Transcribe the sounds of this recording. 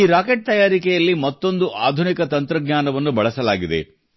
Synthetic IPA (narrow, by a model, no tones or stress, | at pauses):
iːɾaːkeʈ̚t̪ɐjaːɾikɛjɐlːimɐt̪ːo̞nd̪uʔaːd̪ʱunikɐt̪ɐnt̪ɾɐɡɲʲaːnɐʋɐnːubɐɭɐsɐlaːɡid̪e̞̰